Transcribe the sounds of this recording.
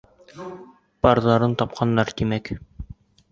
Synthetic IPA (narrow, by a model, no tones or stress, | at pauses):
pɑɾðɑɾɤnt̪ɑp̚qʰɑnːɑɾt̪imæk